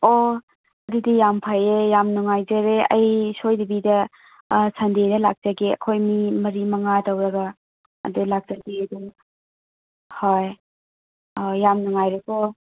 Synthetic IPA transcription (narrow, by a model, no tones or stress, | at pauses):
o | ɐdudijampʰajejamnuŋajzɐɾeɐ̰jsojdibidɐ | sɐndedɐlak̚z̥aɡeɐ̰kʰojmimɐɾimɐŋadɐwɾɐɡɐ̰ː | dulak̚zaɡedu | hoj | ɔjamnuŋajɾekɔ